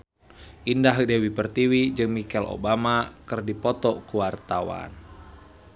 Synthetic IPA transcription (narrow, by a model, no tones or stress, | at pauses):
ʔindaɦ̚dɛwipərt̪iwid͡ʒɨŋmikɛlʔo̰bamakɨrdipɔt̪ɔkuwart̪awa̰n